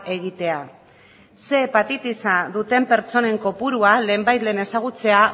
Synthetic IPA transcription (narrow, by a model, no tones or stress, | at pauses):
ʔe̞ɣit̪e̞a | se̞ːpat̪it̪isaðut̪e̞mpe̞ɾt͡so̞ne̞ŋko̞puɾuale̞ːmbajt̪le̞ːne̞saɣ̞ut͡se̞a